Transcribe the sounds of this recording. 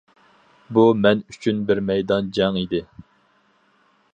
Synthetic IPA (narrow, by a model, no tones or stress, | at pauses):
bumɛnyt͡ʃʰynbɪɾmɛjd̪ɑnd͡ʒɛŋid̪ɪ